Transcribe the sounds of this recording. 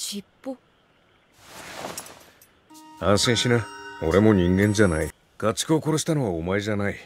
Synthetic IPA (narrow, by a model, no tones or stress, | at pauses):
ɕipːo | ãɰ̃sẽɕinao̞ɾe̞mo̞ɲ̟ĩŋɡẽ̞ɲ̟d͡ʑanai | ɡ̥at͡ɕɨ̥kɯoko̞ɾo̞ɕi̥t̪ano̞βaomae̞ʑanai